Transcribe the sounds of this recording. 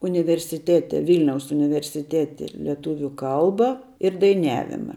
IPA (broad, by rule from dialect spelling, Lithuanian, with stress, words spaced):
ʊnʲɪʋʲɛrʲsʲɪˈtʲæːtʲɛ ˈʋʲɪlʲnʲɛʊs ʊnʲɪʋʲɛrʲsʲɪˈtʲæːtʲɛ lʲɛˈtuːʋʲʊ ˈkɐlˠbɐ ɪr dɐɪˈnʲæːʋʲɪmɐ